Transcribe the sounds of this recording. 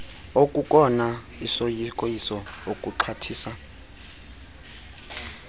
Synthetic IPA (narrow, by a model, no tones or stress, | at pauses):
okʼukʼɔna | isojikʼojisɔokʼuǀʰatʰiːsa